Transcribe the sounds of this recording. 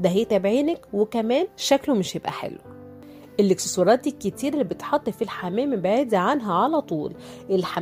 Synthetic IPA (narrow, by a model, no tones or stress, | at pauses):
d̪æɦejːt̪æbʕiːnækwekæmæːnʃæklomeʃjebʔæ̰ħḛlːo | ʔelːeksosoɾˤɑːt̪̚d̪ikːet̪iːɾelːibet̪ħɑt̪ˤːefilħamæːmæbeʕeːd̪æʕanɦæʕalæt̪ˤuːlʔelħa